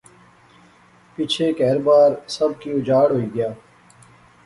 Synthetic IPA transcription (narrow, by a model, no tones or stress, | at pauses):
pit͡ʃʰeːkɛːɾbaːɾsəb̚kiːʊd͡ʒaːɽɦoːiːɡəjaː